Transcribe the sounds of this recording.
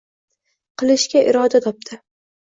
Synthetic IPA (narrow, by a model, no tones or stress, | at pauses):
qɨlˠɪʃkʲaʔɪɾɒd̪at̪ʰɒp̚t̪ʰɪ